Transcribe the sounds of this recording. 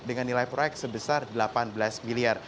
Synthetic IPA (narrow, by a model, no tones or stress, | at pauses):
dəŋanːilajpɾojɛk̚t̪səbəsardəlapanbəlasmiliar